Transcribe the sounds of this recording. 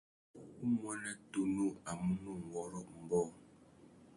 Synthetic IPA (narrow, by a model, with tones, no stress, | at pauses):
u˦mwa˦na˦tu˦nu˦a˨mu˦nu˦ŋ˨wɔ˦ɾɔ˦˨ʔm̩˨bɔ˦